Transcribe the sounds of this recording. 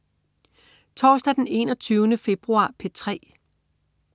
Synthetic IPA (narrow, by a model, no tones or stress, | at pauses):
t͡sʰɒːsd̥æd̥ene̝ːnɒ̽t͡sʰyːʊnəfe̝b̥ʁuɑ̰̈ːpʰe̝t͡sʰʁɛ̰ː